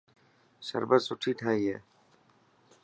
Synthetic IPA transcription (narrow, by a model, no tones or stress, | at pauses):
sə̰ɾbəsʊʈʰiːʈʰaːiːɦɛ̰ː